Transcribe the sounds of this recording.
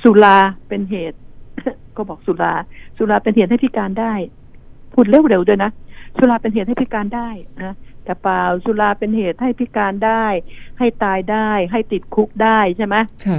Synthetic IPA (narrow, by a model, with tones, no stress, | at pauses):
su˨˦laː˧pe˧nɦeː˨˩t̪̚kɔː˥˩bɔː˨˩k̚su˨˦laː˧su˨˧˦laː˧pe˧nhe˨˩t̪̚ha˥˩pʰi˦˥kaː˧ndaː˥˩j | pʰu˨˩t̪̚le˧˥˩wɾe˨˩˦wdu˧jna˦˥su˨˧˦laː˧pe˧nɦe˨˩t̪̚ha˥˩pi˦˥kaː˧ndaː˥˩jʔaː˧˩t̪ɛ˨˩paː˧wsu˧˦laː˧pe˧nheː˨˩t̪̚ha˥˩jpʰi˦˥kaː˧ndaː˥˩jha˥˩jt̪aː˧jdaː˥˩jɦa˥˩jt̪i˨˩t̪̚kʰu˦˥k̚daː˥˩jt͡ɕʰa˥˩jma˦˥